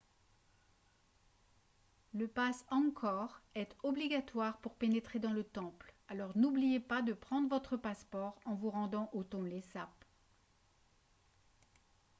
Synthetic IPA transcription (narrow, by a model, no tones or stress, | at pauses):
ləpasɑ̃kʰɔʁɛt̪ɔbliɡat̪waʁpuʁpenet̪χed̪ɑ̃lət̪ɑ̃plalɔʁnublijepad̪əpχɑ̃d̪ʁəvɔt̪χəpaspɔʁɑ̃vuʁɑ̃d̪ɑ̃ʔot̪ɔ̃lesap